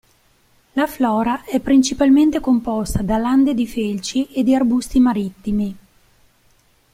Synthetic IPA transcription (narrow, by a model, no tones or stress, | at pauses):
laflɔːɾaʔɛpːɾint͡ʃipalment̪ekompɔst̪ad̪aland̪ed̪ifelt͡ʃiʔed̪ːiarbust̪imaɾit̪ːimi